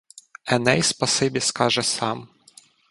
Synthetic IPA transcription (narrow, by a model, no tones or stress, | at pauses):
ɛnɛjspɐsɪbʲiskɑʒɛsɑm